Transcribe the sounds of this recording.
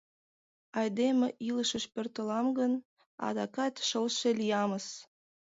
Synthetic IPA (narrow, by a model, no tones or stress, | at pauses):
ɑjd̪emeʔiləʃəʃpørt̪əlɑmɡən | ɑ̰d̪ɑkɑt̪ʃəlʃelijɑməs